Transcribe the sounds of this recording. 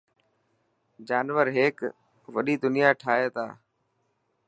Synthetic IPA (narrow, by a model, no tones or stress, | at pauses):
d͡ʒaːnʋəɾɦeːk | ʋəɗiːd̪ʊnɪjaːʈʰaːɦeːt̪ʰa̰ː